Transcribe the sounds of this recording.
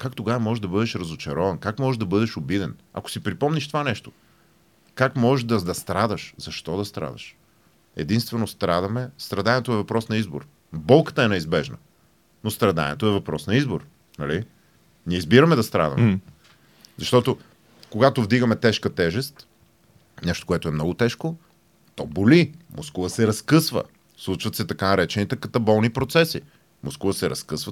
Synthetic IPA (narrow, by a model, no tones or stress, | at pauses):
kakt̪oɡavɐmɔʒɛʒd̪ɐbɤd̪ɛʃɾɐzʊt͡ʃɐɾɔvɐnkakmɔʒɛʒd̪ɐbɤd̪ɛʃʊbid̪ɛnɐ̰kʊ̥sipɾipɔmniʃt̪ovanɛʃt̪o̥ | kakmɔʒɛʒd̪ɐd̪ɐst̪ɾad̪əʃzɐʃt̪ɔd̪ɐst̪ɾa̰d̪ə̰ʃ | ɛ̰d̪inst̪vɛnost̪ɾad̪ɐmɛst̪ɾɐd̪anʲɛt̪oɛvɐpɾɔsnɐizbo̰ɾ | bɔlˠkə̥t̪əɛnɛizbɛʒnə̰ | nost̪ɾɐd̪a̰nʲɛ̰t̪oɛvɐpɾɔsnɐizboɾ | nɐli | niɛizbiɾɐmɛd̪ɐst̪ɾa̰d̪ɐ̰mɛ | zɐʃt̪ɔt̪o | koɡat̪ovd̪iɡəmɛt̪ɛʃkət̪ɛʒɛst̪ | nɛʃt̪okoɛt̪ʊɛmnɔɡʊt̪ɛʃko | t̪ɔbolimʔoskovəsɛɾɐskɤsvə̰ | slˠut͡ʃvɐt̪sɛt̪ɐkanɐɾɛt͡ʃɛnit̪ɛkɐt̪ɐbɔlˠnipɾot̪sɛsi | moskuvəsɛɾɐskɤsvə